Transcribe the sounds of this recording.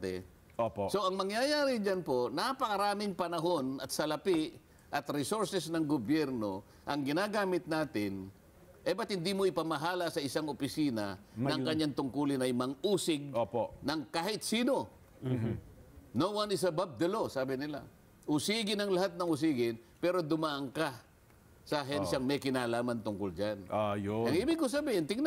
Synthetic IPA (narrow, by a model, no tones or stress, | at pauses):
t̪ɛ̰ | oposo̞ʔɐŋmɐŋjajaːɾɪd͡ʒanpo̞napɐkɐɾaːmɪŋpɐnɐɦo̞nɐt̪̚sɐlɐpɪʔ | ʔɐt̪ɾɪsoɹsɛsnɐŋɡobjɛɾno̞ | ʔɐŋɡɪnaːɡaːmɪt̪̚naːt̪ɪn | ʔɛbɐt̪̚hɪnd̪imoʔɪpɐmɐɦaːlɐsɐʔɪsaŋopɪsiːnɐ̰mɐkɐɲːaŋt̪ʊŋkuːlɪnɐjmɐŋʔuːsɪɡ̚oponɐŋkaːhɪt̪siːno̞ | nowɐnɪs̬ɐbab̚d̪ɐlo̞saːbɪnɪla̰ | ʔʊsiːɡɪnɐŋlɐɦat̪̚nɐŋʊs̬iːɡɪnpɛːɾo̞d̪ʊmaːʔɐŋka | sɐʔɐɦɛnʃɐŋmɛjkɪnaːlaːmɐnt̪ʊŋkʊld͡ʒanajoɐŋʔiːbɪɡkosɐbiːhɪnt̪ɪŋn